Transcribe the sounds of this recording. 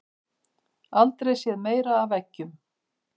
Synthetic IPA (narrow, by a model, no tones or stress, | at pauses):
alt̪ɾejsjɛðmeːjɾaːvɛcːʏm